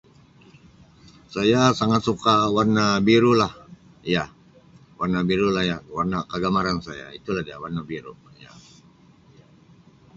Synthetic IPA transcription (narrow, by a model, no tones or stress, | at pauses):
sajasaŋat̪sukawarnabiɾulah | ja | warnabiɾulahjawarnakəɡamaɾansaja̰it̪ulahdiawarnabiɾuja̰